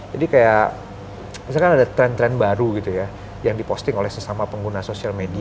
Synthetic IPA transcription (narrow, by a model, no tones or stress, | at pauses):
d͡ʒadikaja | is̬akanadat̪ɾɛnt̪ɾɛnbaɾuɡit̪uja | jaŋdipost̪ɪŋolɛhsəsamapəŋɡunasosialmedi